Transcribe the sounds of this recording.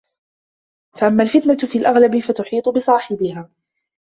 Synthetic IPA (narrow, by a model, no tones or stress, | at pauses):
faʔamːalfɪt̪nat̪fiːlʔaɣlabɪfat̪ʊħiːt̪ˤʊbɪsˤɑːħɪbɪhaː